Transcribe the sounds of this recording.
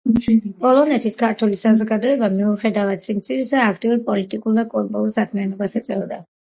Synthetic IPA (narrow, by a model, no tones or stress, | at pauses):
pʼɔlˠɔnɛt̪ʰiskʰaɾt̪ʰulisazɔɡad̪ɔɛbamiuχɛd̪avad̪̥simt̪sʰiɾisaːkʰt̪ʼiuɾpʼɔlit̪ʼikʼuld̪akʼɔɾpʼuulˠsakʰmianɔbasat̪sʼɛvd̪a